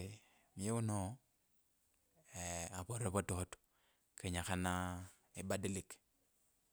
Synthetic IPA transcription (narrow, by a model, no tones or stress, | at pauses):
mieuno | aβoɾeβototo̥ | keɲaxana | ebadilik